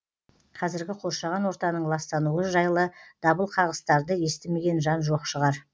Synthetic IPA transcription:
qʰɑzɪɾɡʲɪqʰo̞ɾʃɑʁɑnwo̞ɾt̪ɑnəɴlˠɑst̪ɑnuəʒɑjlˠəd̪̥ɑbəlˠqʰɑʁəst̪ɑɾd̪əje̞st̪ɪme̞ɡʲe̞nʒɑnʒo̞qʃəʁɑɾ

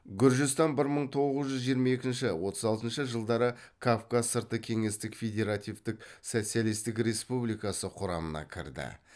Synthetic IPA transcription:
ɡʲʏɾʒɪst̪ɑnbɪɾməɴt̪ʰo̞ʁəzʒʏzʒijəɾmɑje̞kʲɪnʃɪwo̞t̪ʰəzɑlˠt̪ənʃəʒəlˠd̪ɑɾəkʰafkazəɾt̪əkʲʰe̞ŋe̞st̪ɪkfʲe̞d̪ʲe̞ɾat̪ʲijvt̪ɪk̚sot̪sijalˠijst̪ɪkɾe̞spublijkɑsəqʰʊɾɑmənɑ̰kʲʰɪ̰ɾd̪ɪ̰

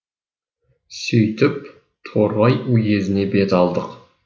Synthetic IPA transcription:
sɵjt̪ɪp | t̪ʰoɾbɑjuje̞zɪne̞be̞t̪ɑlˠd̪əq

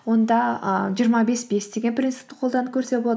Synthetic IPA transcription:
wo̞nd̪ɑəʒijəɾmɑbe̞sbe̞sd̪eɡʲenpʰrʲint̪sɨ̥t̪ɪ̥qʰolˠd̪ɑnəkʲʰɵɾse̞boɑ

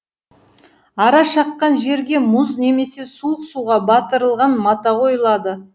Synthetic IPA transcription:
ɑɾɑʃɑqːɑnʒe̞ɾɡʲe̞mʊzne̞me̞se̞suəqsuʁɑbɑt̪əɾəlˠʁɑnmɑt̪ɑqʰo̞jlˠɑd̪ə

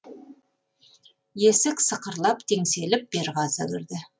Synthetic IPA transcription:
je̞sɪksəqəɾlˠɑpt̪ʰe̞ŋse̞lɪp̚b̥e̞ɾʁɑsəwɪɾd̪ɪ

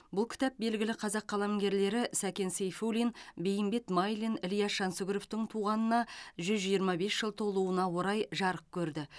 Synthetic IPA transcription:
bʊlˠkʲʰɪ̥t̪æp̚be̞lɡʲɪlɪqʰɑzɑqʰːɑlˠɑmɡʲe̞ɾle̞ɾɪsækʲe̞nsejfulinbe̞jɪmbe̞t̪majlinɪlijɑʃɑnsʊɡʲɾoft̪ɪɴt̪ʰuʁɑnənɑʒʏzʒijəɾmɑbe̞sʒ̥əlˠt̪ʰo̞lˠuənɑwo̞ɾɑjʒɑɾəp̚kʲʰɵɾd̪ɪ

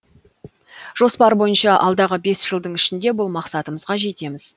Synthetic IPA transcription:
ʒ̥o̞spɑɾbo̞jənʃɑʔɑlˠd̪ɑʁəbe̞sʒ̥əlˠd̪əɴɪʃɪnd̪e̞bʊlˠmɑqsɑt̪əməzʁɑʒe̞t̪e̞mɪz̥

